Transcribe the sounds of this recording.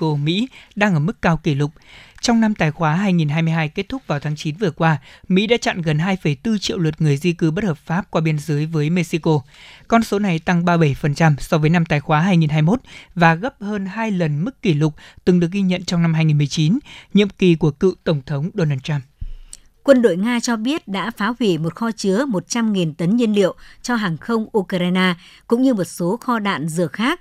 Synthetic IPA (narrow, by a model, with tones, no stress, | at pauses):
o˧mḭ˧˥ɗaː˧ŋʔəː˧˩mɨ˦˥kːaː˧wki˧˩lʊ˨˩k͡p̚t͡ɕɔ˧wŋ͡mna˧mt̪aː˨˩jxwaː˨˦ɦaː˧jŋi˨˩nɦaː˧jmɨ˧jɦaː˧jke˦˥t̚t̪ʰʊ˦˥k͡p̚vaː˨˩t̪ʰaː˨˦ŋt͡ɕi˨˦nvɨ˨˩əkwaː˧mḭ˧˥ɗa̰ː˧˥t͡ɕa̰˧˨nɣə˨˩nɦaː˧jfə˧˩jt̪ɨ˧t͡ɕḭ˧ə˨wlwə˨˩t̚ŋɨ˨˩əjzi˧kɨ˨˦ɓə˦˥t̚həː˨˩p̚faː˦˥p̚kwaː˧ɓi˧ənzəː˨˦jvəː˨˦jme˧si˧ko˧kɔ˧nso˨˦na˨˩jt̪a˧ŋɓaː˧ɓə˧˩jfə˨˩nt͡ɕa˧msɔ˧vəː˨˦jna˧mt̪aː˨˩jxwaː˨˦ɦaː˧jŋi˨˩nɦaː˧jmo˦˥t̚vaː˨˩ɣə˦˥p̚həː˧nhaː˧jlə˨˩nmɨ˦˥kːi˧˩lʊ˨˩k͡p̚t̪ɨ˨˩ŋɗɨ˨˩ək̚ɣi˧ɲə̰˧˨nt͡ɕɔ˧wŋ͡mna˧mhaː˧jŋi˨˩mɨ˨˩əjt͡ɕi˨˦nɲḭ˧˨əmki˨˩ku˧˩əkɨ̰˧˨t̪ə˧˩wŋ͡mt̪ʰə˨˦wŋ͡mɗo˧naː˧t̪a˧m | kwə˧nɗo̰˧˨jŋaː˧t͡ɕɔ˧ɓi˦˥ət̚ɗa̰ː˧˥faː˨˦hwi˧˩mo˨˩t̚xɔ˧t͡ɕɨ˨˦əmo˨˩t̚t͡ɕa˧mŋi˨˩nt̪ə˨˦nɲi˧ənlḭ˧˨əwt͡ɕɔ˧ɦaː˨˩ŋxə˧wŋ͡mʔu˧kɾaː˧jnaː˧kʊ̰˧˥ŋ͡mɲɨ˧mo˨˩t̚so˨˦xɔ˧ɗa̰ː˧˨nzɨ˧˩əxaː˦˥k̚